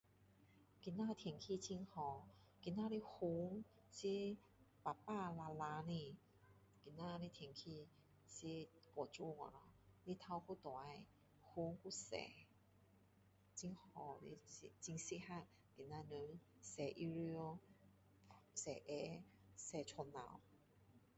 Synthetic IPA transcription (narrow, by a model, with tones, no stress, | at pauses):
ki˧nã˧t̪ʰjŋkʰi˧t͡ɕi˧ŋhɔ˧ | ki˧na˧li˧˦hu˧˦ŋ | si˦ | pa˨˩pa˥˧la˧la˧nĩ˧ | ki˧˩na˧li˦˧t̪ʰjŋkʰi˧ | si˧˦kɔ˨˩t͡ɕu˧ŋɔ̰˨lɔ˧˦li˧˦t̪ʰa˧wku˥˧t̪wa˨˧˦j | hu˧˦ŋku˧˨sɛ̰˨˩ | t͡ɕi˧ŋhɔ˧˩lḭ˧si˧t͡ɕi˧ŋsi˧˥ha˧˨k̚ | ki˨nã˧nə˧˦ | sɛ˨˩ʔi˧ɾi˧o˧ | sɛ˨˩ʔɛ˧˦ | sɛ˨t͡ɕʰɔ˧nːã̰˧˨˦w